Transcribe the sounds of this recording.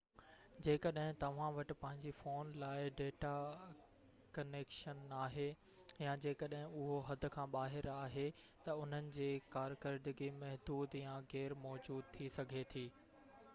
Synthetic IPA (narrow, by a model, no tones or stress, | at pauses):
d͡ʑeːkəɗɦɪ̃t̪ɐʋ̤ãʋɐʈɪ̆pɐ̃ɦɪ̃ɲd͡ʑifoːnlaːɪɖeːʈa | kɐneːkʃənaːɦe | jãd͡ʑeːkəɗɦɪ̃ʊɦoɦɐd̪ʱʊ̆kʰãːɓaːɦɪɾaːɦe | t̪ɐʊn̤ənɪ̆d͡ʑeːkaːɾkəɾd̪ɪɡimɐɦd̪uːd̪jãɣɛːɾmɔːd͡ʑuːd̪̚t̪ʰisɐɡʱet̪ʰiː